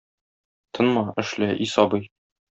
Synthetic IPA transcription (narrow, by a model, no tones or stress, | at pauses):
t̪ʰɤ̆nmɑɘ̆ʃlæʔisɒbɤj